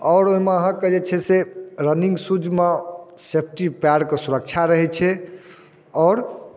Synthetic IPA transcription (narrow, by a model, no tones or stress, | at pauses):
ɔːɾoimeɦə̃kːed͡ʒet͡ʃʰɛseɾəniŋɡsud͡ʒmesep̚ʰʈipaɽkesuɾək̚t͡ʃʰaɾəɦɛt͡ʃʰɛ | ɔːɾ